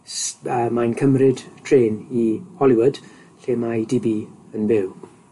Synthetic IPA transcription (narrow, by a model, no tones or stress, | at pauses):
səmajnkʰəmrɪdtʰreːnihɔlˠɪwʊd̥ | ɬeːmajdɪbiənvɪw